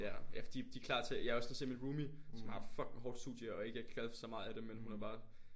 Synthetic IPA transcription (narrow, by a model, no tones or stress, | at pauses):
jæjæfɒd̥ḭd̥ikʰlɑ̰̈ːt͡sʰe̝jɑ̈æɐɒ̽snsemenʁuːmisɒ̽mhɑ̈fɒ̽ɡ̥ɦɒːd̥stṵːð̥ˠjəɒ̽e̝ɡ̥əeɡ̥ə̥kʰæðˠfsɒ̽mɑ̈ːð̩ˠæd̥emːenhunæb̥ɑ̈ː